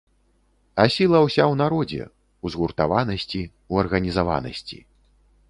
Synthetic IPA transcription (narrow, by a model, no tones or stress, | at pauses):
asʲilˠɐwsʲawnaɾɔd͡zʲɛ̰ | uzɣurt̪avanɐsʲt͡sʲi | uɐrɣɐnʲizava̰nɐ̰sʲt͡sʲḭ